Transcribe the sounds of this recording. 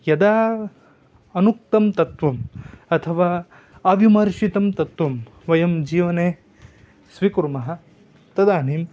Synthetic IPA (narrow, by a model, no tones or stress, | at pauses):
jɐd̪aː | ɐnuk̚t̪ɐmt̪ɐt̪ʋɐmɐt̪ʰɐʋaː | ɐːbʱimɐɾʃit̪ɐmt̪ɐt̪ʋɐm | ʋɐjɐmd͡ʒiːʋɐneː | sʋikuɾmɐɦɐ̆ | t̪ɐd̪aːniːm